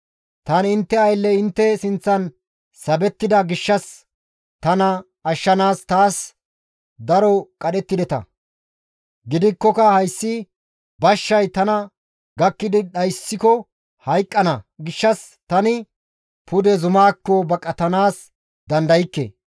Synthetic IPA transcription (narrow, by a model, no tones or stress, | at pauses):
t̪ɐnɪnt̪ːɛɐjlːɛɪnt̪ːɛsɪnt͡sːɐn | sɐbɛt̪ːɪd̪ɐɡɪʃːɐs | t̪ɐnɐ | ɐʃːɐnaːst̪aːs | d̪ɐɾɔkʼɐɗɛt̪ːɪd̪ɛt̪ɐ̰ | ɡɪd̪ɪkːɔkɐhɐjsːɪ | bɐʃːɐjt̪ɐnɐ | ɡɐkːɪd̪ɪɗɐjsːɪkɔ | hɐjkʼːɐnɐɡɪʃːɐs | t̪ɐnɪ | pʊd̪ɛzʊmaːkːɔbɐkʼːɐt̪ɐnaːs | d̪ɐnd̪ɐjɪkːḛ